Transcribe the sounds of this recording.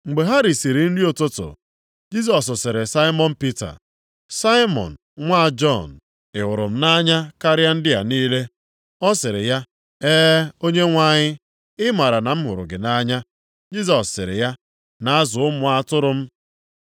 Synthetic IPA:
ŋ͡m̩˨ɡ͡be˨ɦa˦ɾi˨si˨ɾi˨n̩˦dɪ˦o˨tʊ˦tʊ̰˨ | d͡ʒi˦s̬ɔ˨s̬ʊ˨sɪ˨ɾɪ˨sa˦ɪ˦mɔ˦n̩˦pi˦ta̰˨ | sa˦ɪ˦mɔ̰˨n̩˨ŋʷa˦˨d͡ʒɔ˦˨n̩˨ | ɪ˨wʊ˨ɾʊ˨m̩˦na˦ɲa˦ka˦ɾa˦n̩˦dɪ˦ja̰˨niː˦le˦ | ɔ˦sɪ˨ɾɪ̰˨ja˦ | eː˦o˦ɲe˦ŋʷa˨ɲɪ˦ | ɪ˦ma˨ɾa˨na˨m̩˦ɦʊ˨ɾʊ̰˨ɡɪ˨na˦ɲa˦ | d͡ʒi˦s̬ɔ˨sːɪ̰˨ɾɪ̰˨ja˦ | na˦a˦zʊ˨ʊ˦mʊ˨a˦tʊ˦ɾʊ˦m̩˦

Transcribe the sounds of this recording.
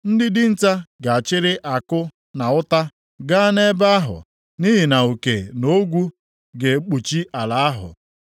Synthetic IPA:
n̩˦dɪ˦dɪ˦n̩˦ta˦ɡa˨a˨t͡ʃɪ˦ɾɪ˦ʔa˨kʊ˦ | na˨ʊ˦ta˦ | ɡa˦ne˦ba˦a˦ɦʊ̰˨ | ni˦ɦi˨na˨u˨ke˨no˦ɡʷu˦ | ɡe˨˦k͡pu˨t͡ʃi˦ʔa˨la˨a˦ɦʊ̰˨

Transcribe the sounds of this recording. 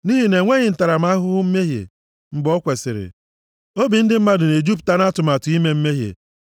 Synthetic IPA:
ni˦ɦi˨ne˨ŋʷe˦ɲɪ˨n̩˨ta˨ɾa˨m̩˦a˦ɦʊ˦ɦʊ˦m̩˦me˦ɦjḛ˨ | m̩˦bɔ˦kʷe˨sɪ̰˨ɾɪ̰˨ | o˦bi˨n̩˦dɪ˦m̩˦ma˦dʊ˨ne˨d͡ʒu˦pta˦na˦tʊ˨ma˨tʊ˨i˦me˦m̩˦me˦ɦjḛ˨

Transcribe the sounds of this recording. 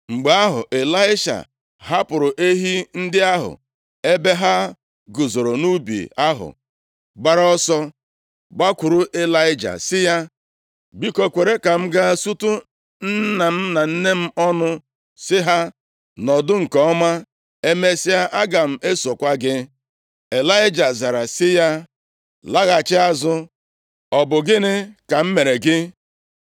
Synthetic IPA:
ŋ͡m̩˨ɡ͡ba˦a˦ɦʊ̰˨ʔe˨la˦ɪ˦ʃa̰˨ | ɦa˦pʊ˨ɾʊ˨ʔe˦ɦi˦n̩˦dɪ˦a˦ɦʊ̰˨ | e˦be˦ɦa˦ | ɡʊ˨zo˨ɾo˨nu˦bḭ˨a˦ɦʊ̰˨ | ɡ͡ba˦ɾɔ˦sɔ˦ | ɡ͡ba˦kʷʊ˨ɾʊ˦ʔe˦la˦ɪ˦d͡ʒa̰˨sɪ˦ja˦ | bi˦ko˨kʷe˨ɾe˦ka˨m̩˦ɡa˦˨su˦tʊ˦ | n̩˦na˨m̩˦na˨n̩˦ne˦m̩˦ɔ˦nʊ˦ | sɪ˦ɦa˦ | nɔ˨dʊ˦ŋ̩˨kɔ˨˦ɔ˦ma˦ | e˦me˦sɪ˦a˦ʔa˦ɡa˨m̩˦e˦so˨kʷa˦ɡɪ˦ | e˨la˦ɪ˦d͡ʒa˨za˨ɾa˨sɪ˦ja˦ | la˦ɣa˨t͡ʃɪ˦a˦zʊ˦ | ɔ˨bʊ˨ɡɪ˦nɪ˦ka˨m̩˦me˨ɾe˨ɡɪ˦

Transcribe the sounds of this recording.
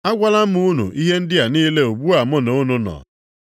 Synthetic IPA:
a˦ɡʷa˦la˦m̩˦ʊ˦nṵ˨ʔi˦ɦe˦n̩˦dɪ˦a˨niː˦le˦u˨bu˦a˨mʊ˦no˨u˦nu˦nɔ̰˨

